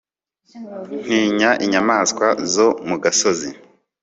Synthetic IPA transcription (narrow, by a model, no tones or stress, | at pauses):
n̥hiːɲaʔiɲamaːskwazo̞muɡasozi